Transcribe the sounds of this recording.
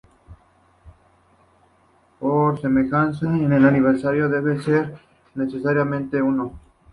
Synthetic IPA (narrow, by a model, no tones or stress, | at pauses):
poɾseme̞xansaenelaniβ̞eɾsaɾjoðeβeseɾ | ne̞sesaɾjamẽnt̪e̞uno